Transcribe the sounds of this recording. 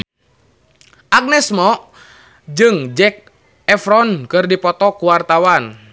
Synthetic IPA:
ʔak̚nɛsmɔ | d͡ʒɨŋd͡ʒɛk̚ | ɛfɾɔnkɨrdipɔt̪ɔkuwart̪awan

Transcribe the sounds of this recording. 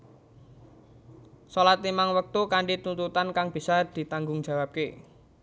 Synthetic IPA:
solat̪̚imaŋwək̚t̪ukaɳɖit̪unt̪ut̪ankaŋb̥i̤sad̪̥i̤t̪aŋɡʊŋd͡ʒ̥a̤wap̚ke

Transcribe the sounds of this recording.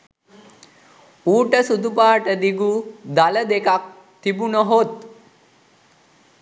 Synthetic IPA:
uːʈəsud̪upaːʈəd̪iɡud̪aləd̪ekak̚ | t̪ʰibunəɦot̪̚

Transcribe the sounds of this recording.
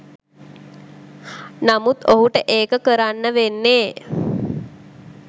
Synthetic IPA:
namut̪oɦuʈəʔeːkəkəɾanːəʋenːeː

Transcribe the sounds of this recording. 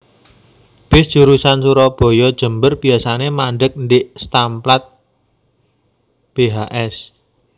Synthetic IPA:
b̥ɪsd̥ʒ̥uɾusansuɾɔb̥ɔ̤jɔd̥ʒ̥ə̤mbərb̥iasanemaɳɖək̚nɖɪʔst̪amplat̪̚ | b̥eɦaʔɛs

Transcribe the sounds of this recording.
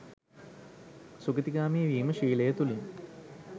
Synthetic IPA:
suɡət̪iɡaːmiʋiːməʃiːlɐjət̪ulin

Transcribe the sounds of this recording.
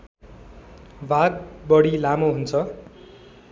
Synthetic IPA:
bʱaɡ̚bʌɽilamoɦunt͡sʰʌ

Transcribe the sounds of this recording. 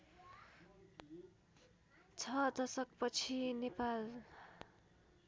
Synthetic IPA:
t͡sʰʌd̪ʌsʌkpʌt͡sʰinepal

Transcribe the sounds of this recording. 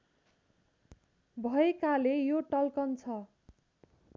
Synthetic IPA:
bʱʌekalejoʈʌlkʌnt͡sʰʌ

